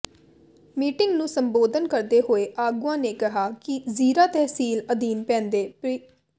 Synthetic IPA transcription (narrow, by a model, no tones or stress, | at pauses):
miːʈɪŋɡnũːsəmboːd̪ənkəɾd̪eːɦoːeːʔaːɡuːãːneːkɪɦaːkɪziːɾãːt̪ɛːɦsiːləd̪iːnpɛ̃ːnd̪eːpɾ